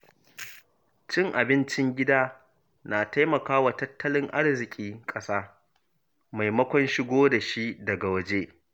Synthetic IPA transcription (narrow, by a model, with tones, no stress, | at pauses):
t͡ʃɪ˦ŋʔa˨bɪ˦nt͡ʃɪ˦ŋɡʲɪ˦daː˦ | naː˨ta˦jmɐ˨kaː˦wa˨tɐ˦tːɐ˦lɪ˦ŋʔa̰˦ɽzɪ˨kʲʼiː˦kʼɐ˦saː˦ | ma˨jmɐ˦kʷɔ˦nʃɪ˦ɡʷoː˦da˨ʃi˦dɐ˨ɡa˨wɐ˦d͡ʒeː˦